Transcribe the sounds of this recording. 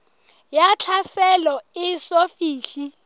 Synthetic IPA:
jat͡ɬʰasɛlɔɪsofiːɬi

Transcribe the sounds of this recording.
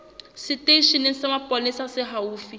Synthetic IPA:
sɪteiʃinɪsɪmapʼɔnɪsasɪɦauːfi

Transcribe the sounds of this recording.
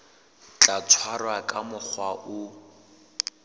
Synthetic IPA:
t͡ɬʼat͡sʰwarwakʼamʊk͡xʰwaʔʊ

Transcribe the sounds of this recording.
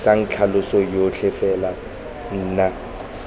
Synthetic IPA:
saŋ̩t͡ɬʰalʊsɔjot͡ɬʰɪfɛla | n̩ːna

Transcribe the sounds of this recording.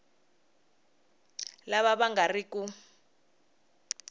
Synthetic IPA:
laβaɓaŋɡariku

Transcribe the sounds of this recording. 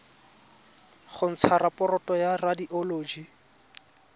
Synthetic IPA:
χʊn̩t͡sʰaɾapɔɾɔtʼɔjaradiʔɔloːd͡ʒi

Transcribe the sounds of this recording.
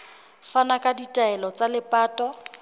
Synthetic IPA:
fanakʼaditʼaɛlɔt͡sʼalɪpʼaːtʼɔ

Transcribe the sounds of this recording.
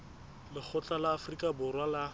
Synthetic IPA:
lɪk͡xʰʊt͡ɬʼalaːfrikʼabʊrwala

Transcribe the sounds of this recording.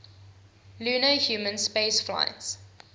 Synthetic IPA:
lʉːnəhjuːmə̃nspeɪsfla̰ɪts

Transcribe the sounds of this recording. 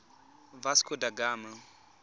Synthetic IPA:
vaskʰʊdaɡaːma

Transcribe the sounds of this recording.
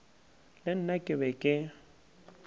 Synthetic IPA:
lɪn̩nakʼɪbɛkʼɪ

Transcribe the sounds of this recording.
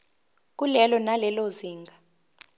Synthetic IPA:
k̬ʼulɛlɔnalɛloziːŋɡʱa

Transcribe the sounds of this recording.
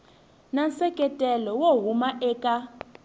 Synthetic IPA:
nansɛkʼɛtʼɛlɔwoɦumaʔɛːkʼa

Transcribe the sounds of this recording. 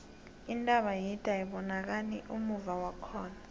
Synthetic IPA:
intʼaɓajitʼaiɓɔnak̬aniʔumuvawakʰɔːna

